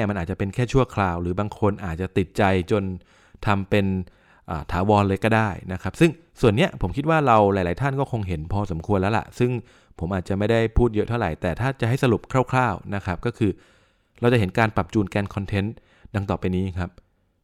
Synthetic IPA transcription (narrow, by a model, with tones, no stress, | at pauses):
ma˧nʔaː˨˩t͡ɕa˨˩pe˧nkʰɛː˥˩t͡ɕʰu˥˩ɐkʰlaː˧wɾɯː˩˦baː˧ŋkʰo˧nʔaː˨˩t̪̚t͡ɕa˨˩t̪i˨˩t̪̚t͡ɕa˧jt͡ɕo˧n | t̪ʰa˧mpe˧n | ʔa̰ː˨˩t̪ʰaː˩˦wɔː˧nlɤː˧jkɔː˥˩daː˥˩jna˦˥kʰɾp̚sɯ˥˩ŋ | su˨˩ənːi˦˥ɐpʰo˩˦mkʰi˦˥t̪̚waː˥˩ɾa˧wla˨˦jlaː˨˦jt̪ʰa˥˩nkɔː˥˩kʰo˧ŋɦe˩˦npʰɔː˧so˩˦mkʰu˧ənlɛː˦˥wla̰˨˩sɯ˥˩ŋ | pʰo˩˦mʔaː˨˩t̪̚t͡ɕa˨˩ma˥˩jda˥˩jpʰuː˥˩t̪̚jɤ˦˥t̪ʰa˥˩ɾa˨˩jt̪ɛː˨˩t̪ʰaː˥˩t͡ɕa˨˩ʔɦa˥˩jsa˧lu˨˩p̚kʰɾaː˥˩wkʰlaː˥˩wna˦˥kʰɾa˦˥p̚kɔː˥˩kʰɯː˧ | ɾa˧wt͡ɕa˨˩ɦe˩˦nkaː˧npɾa˨˩p̚t͡ɕuː˧nkɛː˧nkʰɔ˧nt̪ʰe˦˥n | da˧ŋt̪ɔː˨˩pa˧jniː˦˥kʰa˦˥p̚